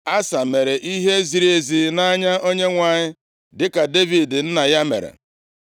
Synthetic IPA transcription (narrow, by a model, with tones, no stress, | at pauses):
a˦sa˨me˨ɾe˨ʔi˦ɦe˦zi˨ɾi˦e˨zi˨na˦ɲa˦o˦ɲe˦ŋʷa˨ɲɪ˦ | dɪ˦ka˨de˦vi˨dn̩˦na˨ja˦mḛ˨ɾḛ˨